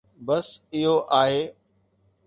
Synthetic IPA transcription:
bɐsɪɦoʔaːɦeː

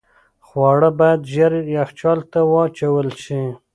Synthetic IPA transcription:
xwɑɽəbajad̪ʒaɾjaxt͡ʃɑlt̪awɑt͡ʃawəlʃi

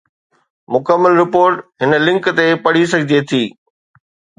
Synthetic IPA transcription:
mʊkəmːəlɾɪpoːɾʈɦɪnə̆lɪ̃ŋkt̪epɐɽ̤is̬ɐɡʱɪd͡ʑ̪ʱiet̪ʰiː

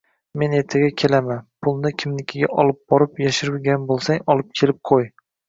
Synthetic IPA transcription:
me̞ne̞ɾt̪ʰaɡʲakʲʰe̞lamanpʰʊlˠnɪkʲʰɪmlɪkʲʰɪɡʲa̰ʔɒlˠɪp̚bɒɾɪpjaʃɪɾɪlɡʲanbolˠsaŋɒlˠɪp̚kʲʰe̞lɪp̚qʰoj

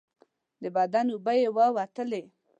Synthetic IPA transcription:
d̪əbad̪anubəjewəwat̪əle

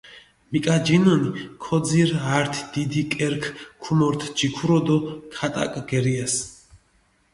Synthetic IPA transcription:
mikʼad͡ʒinɔnikʰɔd̪ziɾaɾt̪ʰd̪̥id̪ikʼɛɾkʰkʰumɔɾt̪ʰd͡ʒikʰuɾɔd̪ɔkʰat̪ʼa̰kʼɡ̥ɛɾiɛs

